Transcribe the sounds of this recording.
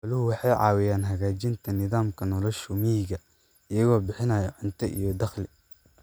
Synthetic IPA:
ɐlɪhʊwɑħɑjʕɑ̰ːwɪjaːnɦɐɣaːt͡ʃɪnt̪ʰɐnɪðaːmkʰɐnɔlɔʃʊmɪjɪɣɐ | ɪjɐɣɔːbɪħɪnɐːjɔʕʊnt̪ʰɐʔḭjɔd̪ɐχlɪ

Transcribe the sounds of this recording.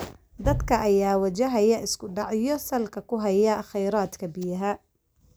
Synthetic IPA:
d̪ɐd̪kʰɐʔɐjaːwɐt͡ʃɐɦɐjɐʔɪskʰʊɖɑʕɪjɔsɐlkʰɐkʰʊɦɐjɐχɛjɾaːd̪kʰɐbɪjɐɦɐ

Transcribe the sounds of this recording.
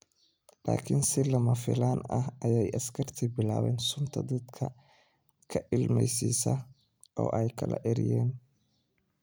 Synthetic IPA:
laːkʰɪnsɪlɐmɐfɪ̰laːnɐɦɐjɛjʔɐskʰɐrt̪ʰibɪlaːwɛːnsʊnt̪ʰɐd̪ɐd̪kʰɐ | kʰɐʔɪlmɛjsḭːsɐ | ʔɔːʔɛjkʰɐlɐ̰ʔɪɾɪ̰jɛːn

